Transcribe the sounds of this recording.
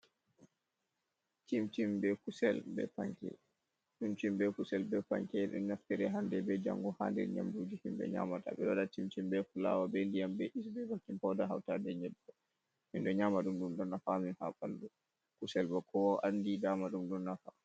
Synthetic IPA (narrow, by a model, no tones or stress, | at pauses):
timtimbɛkusɛlbɛ̰paŋkɛ̰ | tɗumtimbɛkusɛlbɛpa̰ŋkɛɗɛ̰nnːaftɛɾɛɦandɛbɛd͡ʒa̰ŋɡɔha̰ndɛ̰ɾɲa̰mdud͡ʒihimbɛ̰ɲa̰ːmata̰ɓɛɗɔdatimtimbɛkula̰wabɛndijambɛʔisbɛbakːimpɔdaɦa̰wtadɛɲɛɗːɔ | minɗɔɲaːmaɗumɗumɗɔnːafaminhaɓaldu | kusɛlbakʰɔwaʔandidaːmaɗumɗɔnːafa